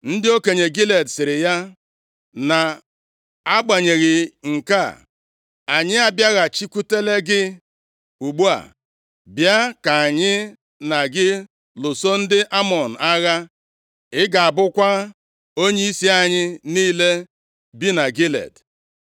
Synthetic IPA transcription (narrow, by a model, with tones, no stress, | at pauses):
n̩˦dɪ˦o˦ke˨ɲe˨ɡi˦le˨dsɪ˨ɾɪ˨ja˦ | na˨ | a˦ɡ͡ba˨ɲe˨ɣɪ˨ŋ̩˨ka˦˨ | a˨ɲɪ˦a˦bja˦ɣa˨t͡ʃi˦ku˦te˦le˦ɡɪ˦ | u˨ɡ͡bu˦a̰˨ | bja˦ka˨a˨ɲɪ˦ | na˨ɡɪ˦ | lʊ˨so˦n̩˦dɪ˦ʔa˦mɔ˨n̩˨a˦ɣa˦ | ɪ˦ɡa˨a˨bʊ˦kʷa˦ | o˦ɲe˦i˦si˦a˨ɲɪ˦niː˦le˦ | bi˦na˨ɡi˦lḛ˨d